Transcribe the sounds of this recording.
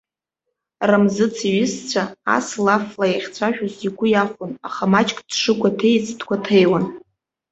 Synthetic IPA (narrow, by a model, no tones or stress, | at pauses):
ramzɨt͡sʰiɥɪst͡sʷʰaa̰slaflajaχʲt͡sʷʰaʃᶣʊziɡʷʊjaχʷʊnaχamat͡ʃʼkʼd̥ʂɨkʷʼatʰejt͡sʰtʰkʷʰatʰejwan